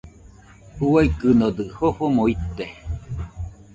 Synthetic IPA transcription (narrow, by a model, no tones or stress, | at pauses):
uaikɨnod̪ɨhohomoit̪ːe